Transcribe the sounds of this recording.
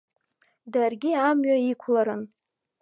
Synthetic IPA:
darɡʲɪamɥaikʷʰlaɾɨn

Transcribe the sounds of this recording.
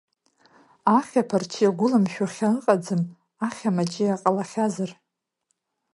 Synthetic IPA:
aχʲapʰart͡ʃʰijaɡʷʊlamʃᶣaχʲaɨqʼad͡zɨm | aχʲamat͡ʃʼijaqʼalaχʲazar

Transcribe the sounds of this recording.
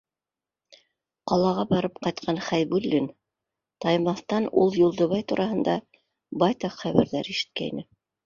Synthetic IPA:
qɑlˠɑʁɑbɑɾɤpqɑjt̪̚qʰɑnχæjbʉlːin | t̪ɑjmɑθt̪ɑnṵlˠjulˠd̪ɤ̆βɑjt̪uɾʔɑhɤ̆nd̪ɑ | bɑjt̪ɑqχæβæ̰̆ɾðæɾiʃɘ̥̆t̪̚kæḭnɘ

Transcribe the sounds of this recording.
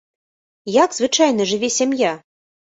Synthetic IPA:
jaɡzvɨt͡ʂajn̪ɐʐɨvʲɛsʲamʲja

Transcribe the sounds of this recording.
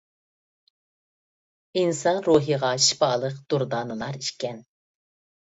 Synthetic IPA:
insɑnɾuːɦiʁɑʃi̥pɑːlˠəqd̪̥uɾd̪ɑːnɨlˠɑɾiʃkʲɛn

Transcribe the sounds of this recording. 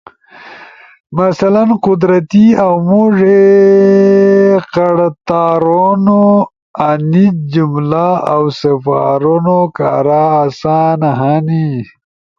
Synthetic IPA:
masalanqud̪ɾat̪iawmuʐe | qaɽt̪aːɾono | anit̪̚d͡ʑumlaawsafa̰ɾonoka̰ɾaːsaːnaɦani

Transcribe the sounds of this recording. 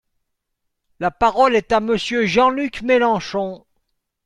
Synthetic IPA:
lapaʁɔlɛt̪aməsjøʒɑ̃lykmelɑ̃ʃɔ̃

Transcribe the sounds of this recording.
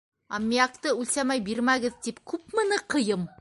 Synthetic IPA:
ɑ̰mʲːiɑqt̪ɤʉlsæmæjbiɾmæɡɘ̆ðt̪ipkʉpmɤ̆nɤqɤ̆jɤm

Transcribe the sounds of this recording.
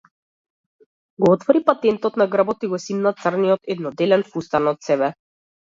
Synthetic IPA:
ɡɔɔt̪vɔɾipat̪ɛnt̪ɔt̪naɡr̩bɔt̪iɡɔsimnat̪srnijɔt̪ɛd̪nɔd̪ɛlɛnfust̪anɔt̪sɛbɛ

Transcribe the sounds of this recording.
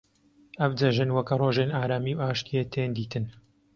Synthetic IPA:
ɐvd͡ʒɐʒɨnwɐkʰɐroːʒenaːɾaːmiːwʔaːʃt̪iet̪ʰend̪iːt̪ʰɨn

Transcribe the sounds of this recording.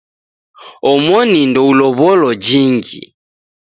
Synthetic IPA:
ɔmwɔnindɔulɔβɔlɔd͡ʒiŋɡḭ

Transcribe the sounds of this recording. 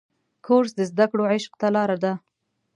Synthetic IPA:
kʰoɾsd̪əzd̪akɽoʕɪʃq̚t̪alɑɾad̪a

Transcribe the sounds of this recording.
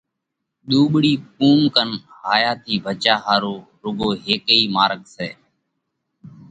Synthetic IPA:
ɗ̪uːɓɽiːk̚uːmkənɦaːjaːt̪ʰiːbʱət͡ʃaːɦaːɾoː | ɾʊɡoːɦeːkəiːmaːɾɠseː

